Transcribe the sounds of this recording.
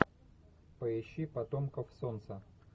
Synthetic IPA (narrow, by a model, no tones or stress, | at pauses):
pəjɪɕːipɐt̪omkəfsont̪sə